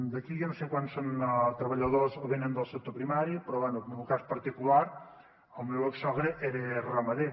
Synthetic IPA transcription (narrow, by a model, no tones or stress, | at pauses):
d̪əkijansekwansont̪ɾəβəʎəðozoβenənd̪əlˠsek̚t̪opɾimaɾipɾɔβɛnumuwkaspəɾt̪ikulaɾ | əlˠmewəksɔɣɾeʔɛɾeraməðe